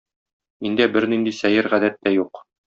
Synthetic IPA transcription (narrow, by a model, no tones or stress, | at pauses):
ind̪æbɘɾnind̪isæjɘɾʁæd̪æt̪ːæjuq